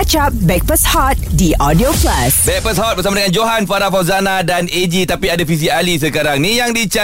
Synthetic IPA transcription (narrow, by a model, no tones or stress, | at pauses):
t͡ʃap̚bɛk̚pəshɔt̪̚diʔɔdioplasbɛk̚pəshɔt̪̚bərsamadəŋãnd͡ʒoɦanfaɾafazanãdaned͡ʒit̪apiadafis̬ialis̬əkaɾaŋnĩjaŋdit͡ʃa